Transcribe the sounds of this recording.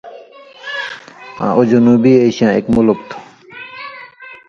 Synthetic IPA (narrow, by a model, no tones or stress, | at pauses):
ã̰ʔod͡ʑonubieɕiãekmolokt̪ʰo̥